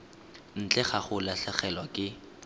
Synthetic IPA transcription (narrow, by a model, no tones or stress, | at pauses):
n̩t͡ɬʼɛχaχʊlaɬaχɛlwakʼɪ